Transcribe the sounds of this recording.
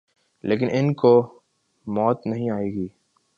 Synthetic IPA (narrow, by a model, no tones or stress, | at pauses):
lʔeːk̬ɪnʔɪnko | mɔːt̪nɐɦĩaːeːɡiː